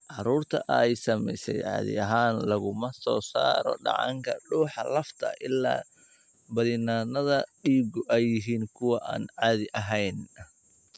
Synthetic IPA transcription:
ʕɑɾuːrt̪ʰɐʔɛjsɐmɛ̰jsɛ̰jʕɑ̰ːðɪ̰ɐɦaːnlɐɣʊmɐsɔːsa̰ːɾɔ̰ɖɑ̰ʕɑ̰ŋkʰɐɖuːħɑlɐft̪ʰɐ̰ʔɪlːa̰ː | bɐðɪnaːnɐðɐɖiːɣʊʔɛjːɪɦiːŋkʰʊwɑʔaːnʕɑːðɪʔɐɦɛjn

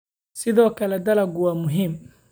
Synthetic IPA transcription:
sɪðɔːkʰɐlɛd̪ɐlɐɡwɑːmʊɦiːm

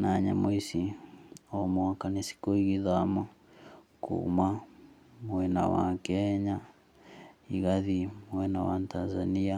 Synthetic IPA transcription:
naɲamoisi | ɔmoakanisi̥koiɣiðama | kṵma | mwɛna̰wa̰kɛɲa | iɣaðimwɛnawatanzania

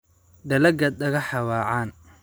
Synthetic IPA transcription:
ɖɐlɐɡɐd̪ɐɣɐħɑwɑːʕaːn

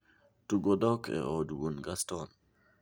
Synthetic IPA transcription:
tuɡodɔkʰɛ̰ʔɔdwunɡastɔn

